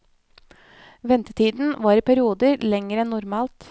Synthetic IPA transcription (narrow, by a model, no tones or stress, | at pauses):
ʋɛnt̪ət̪ʰiːd̪n̩ʋɑːɾiːpʰæɾɪuːd̪əɾlɛŋəɾɛnːʊɾmɑːlt̪